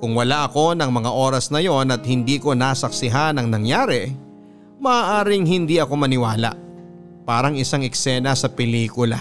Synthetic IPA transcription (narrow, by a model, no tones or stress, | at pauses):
kʊŋwɐlaʔɐko̞nɐŋmɐŋaʔo̞ːɾɐsnɐjo̞nɐt̪̚hɪnd̪iːko̞nasɐk̚sɪɦanɐŋnɐŋjaːɾɛ | mɐʔaːʔaːɾɪŋɦɪnd̪iɐko̞mɐnɪwaːla̰ʔ | paːɾɐŋɪsaŋɛksɛːnɐsɐpɛliːkʊla̰